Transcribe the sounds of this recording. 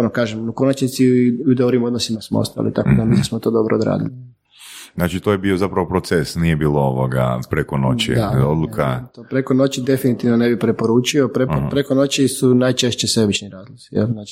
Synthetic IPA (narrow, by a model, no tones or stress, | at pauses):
onokaːʒemuko̞nat͡ʃnit̪siud̪obɾimo̞d̪nosimasmoo̰st̪a̰lḭt̪akod̪amisismot̪o̞d̪o̞bɾʔoːd̪ɾa̰ːd̪ḭli | nat͡ʃit̪ojebiozapɾaʋopɾot̪sesnijebiːlˠooʋoɡa̰pɾekono̰t͡ʃid̪aod̪lˠukʰat̪opɾeko̞no̞t͡ɕid̪e̞finit̪iʋnonebipɾepo̞ɾuːt͡ʃiopɾepɾeko̞no̞t͡ɕisunajt͡ʃe̞ʃt͡ɕesebit͡ʃniɾaːzlˠosijḛlznat͡ʃi